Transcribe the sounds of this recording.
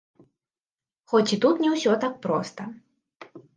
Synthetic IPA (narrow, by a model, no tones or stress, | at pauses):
xɔt͡sʲit̪ut̪nʲɛwsʲɔt̪ak̚pɾɔst̪ɐ